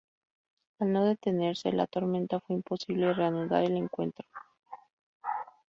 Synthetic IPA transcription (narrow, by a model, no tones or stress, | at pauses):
alno̞ðe̞t̪e̞ne̞ɾsḛla̰t̪o̞ɾmẽnt̪afweimpo̞siβle̞re̞anuða̰ɾe̞le̞ŋkwe̞̰nt̪ɾo̞